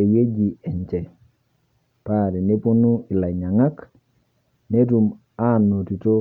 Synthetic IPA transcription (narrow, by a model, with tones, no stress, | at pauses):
e˨je˦d͡ʒi˨ɛ˨ɲt͡ʃɛ˨ | paɾi˨ne˦pu˦nu˦i˨la˨ɲa˨ŋa˦k | ne˦tu˨m | anːo˨ti˨to